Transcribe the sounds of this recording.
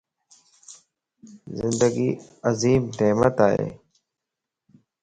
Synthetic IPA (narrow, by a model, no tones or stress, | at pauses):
zɪnd̪əɡiːəziːmd̪eːmət̪aːɦḛː